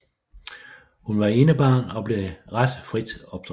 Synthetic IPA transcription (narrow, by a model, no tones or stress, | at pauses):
hunʋɑ̈e̝ːnəb̥ɑ̈ːnɒ̽b̥le̝ʁad̥fʁid̥ɒ̽b̥̚d̥ʁ